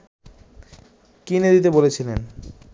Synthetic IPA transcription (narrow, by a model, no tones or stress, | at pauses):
kined̪it̪ebolet͡ɕʰilen